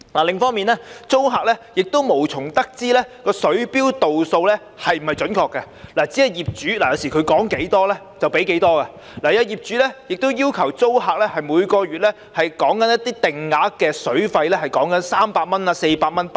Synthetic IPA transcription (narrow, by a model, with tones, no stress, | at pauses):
laː˨˩lɪ˨ŋfɔː˥ŋmiː˨nɛː˥t͡so˥wɦaː˨˧k̚lɛː˥jɪ˨k̚t̪o˥wmo˨˩wt͡sʰʊ˨˩ŋt̪ɐ˥k̚t͡siː˥lɛː˥kɔː˧sɵ˨˥ɥpiː˥wt̪o˨wso˧wlɛː˥ | hɐ˨jm̩˨˩hɐ˨jt͡ʃɵ˨˥nkʰɔː˧kːɐ˧ | laː˨˩t͡si˨˥hɐ˨˧jjiː˨p̚t͡syː˨˥laː˨˩jɐ˨˧wsi˨˩kʰɵ˨˧kɔː˨˥ŋke˨˥jt̪ɔː˥lɛ˥ | t͡sɐ˨wpe˨˥jke˨˥jt̪ɔː˥ka˧ | laː˨jɐ˧jiː˨p̚t͡ʃyː˨˥lɛː˥jɪ˨k̚t̪o˥wjiː˥wkʰɐ˨˩wt͡so˥wɦaː˧k̚lɛː˥hɐ˨jmuː˨˧jkɔː˧ɥyː˨t̚lɛ˥ | hɐ˨jkɔː˨˥ŋkɐ˨˥njɐ˥t̪iː˥t̪ɪ˨˩ŋːaː˨˥kɛː˧sɵ˨˥ɥfɐ˧jlɛː˥hɐ˨jkɔː˨˥ŋkɐ˨˥nsaː˥mpaː˧t̚mɐ˥na˧se˧jpaː˧t̚mɐ˥np